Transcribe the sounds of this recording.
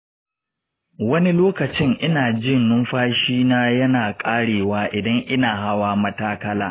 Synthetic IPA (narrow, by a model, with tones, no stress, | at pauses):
wɐ˦ni˦loː˦kɐ˨t͡ʃɪ˦ŋʔɪ˦naː˨d͡ʒɪ˦˨nːʊ˦mɸaː˦ʃiː˦naː˦jɐ˦naː˨kʼaː˦ɽeː˨waː˦ʔɪ˨dɐ˦ŋʔɪ˦naː˨ɦa˦waː˦mɐ˦taː˦kɐ˦laː˦